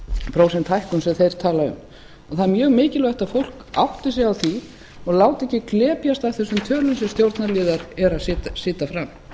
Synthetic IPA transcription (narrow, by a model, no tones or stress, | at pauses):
pɾoːwsɛnt̪ʰajhkʏnsɛθejɾ̥t̪ʰaːlaʏ̰m | aθamjœːɣmɪːcɪlvɛht̪aðfowl̥kawht̪ɪs̬ɛɣawθi | ɔɣlaːwt̪ɛhcːɪklɛːpjast̪avθɛsːʏmt̪ʰœːlʏnsɛmst̪jowɾt̪naɾliːðaɾɛɾaðsɪːt̪asɪːt̪afɾam